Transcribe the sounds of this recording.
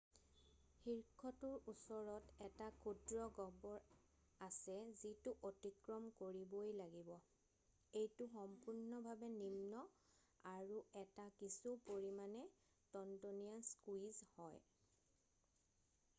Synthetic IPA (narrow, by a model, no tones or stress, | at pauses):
xiɹkʰɔtuɹusɔɹɔtɛtakʰudɹɔɡɔbɔɹ | asɛzitʊʔotikɹɔmkoɹibojlaɡibɔ | ejtʊxɔmpuɹnɔbʱabɛnimnɔ | aɹuɛtakisupoɹimanɛ | tɔntonijanskwizhɔj